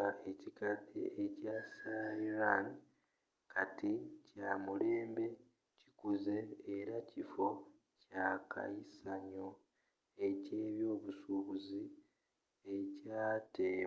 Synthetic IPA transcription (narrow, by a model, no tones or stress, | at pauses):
ae̞cikazḭecasajiɾani | kʰaticaːmule̞ːmbe̞ | ci̥kuze̞ːɾacifo̞ | cakʰa̰jisaɲo | ece̞ːβjo̞ːβusuːβuzi | e̞caːteː